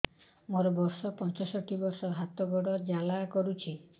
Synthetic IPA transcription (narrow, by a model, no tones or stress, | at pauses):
moɾɔbɔɾsɔpɔnt͡ʃɔsɔʈʰibɔɾsɔɦat̪ɔɡɔɽɔd͡ʒalakɔɾut͡ʃʰi